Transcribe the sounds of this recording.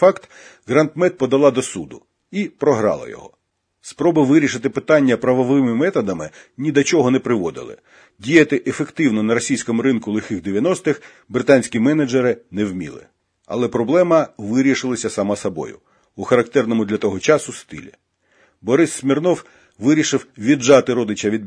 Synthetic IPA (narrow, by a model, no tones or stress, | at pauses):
fɑkt̪ | ɣɾɐnt̪mɛt̪̚pɔd̪ɐlˠɑd̪ɔsud̪ʊ | ipɾɔɦɾɑ̰lˠɐ̰jɔ̰ɦɔ̰ | spɾɔbɪʋɪɾʲiʃɪt̪ɪpɪt̪ɑnʲːɐpɾɐʋɔʋɪmɪmɛt̪ɐd̪ɐmɪnʲid̪ɐt͡ʃɔɦɔnɛpɾɪʋɔd̪ɪ̰lˠɪ̰ | dʲijɐt̪ɪʔefekt̪ɪwnɔnɐɾɔsʲijsʲkɔmʊɾɪnkʊlˠɪxɪɣd̪eʋʲjɐnɔst̪ɪx | bɾɪt̪ɑnʲsʲkʲimɛnɐd͡ʒeɾɪnɛwmʲḭlˠɪ̰ | ɐ̰lˠɛpɾɔblˠɛmɐʋɪɾʲiʃɪlˠɐsʲɐsɐmɑsɐbɔ̰jʊ̰ | uxɐɾɐk̚t̪ɛrnɔmʊd̪lʲɐt̪ɔɦɔt͡ʃɑsʊst̪ɪ̰lʲḭ | bɔɾɪsːmʲirnɔw | ʋɪɾʲiʃɪwʋʲiʒɑt̪ɪɾɔd̪ɪt͡ʃɐʋʲid̪